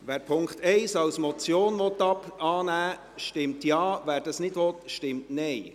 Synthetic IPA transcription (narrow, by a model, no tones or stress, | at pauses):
ʋæːɾpʰʊŋkχt̪ɛɪsɑwsmɔt͡sjoːnʋɔt̪ːɑpɑːnæː | ʃtɪmtjɑːvæːɾd̥ɑsnɪdʋɔt̪ʃtɪmtnɛɪ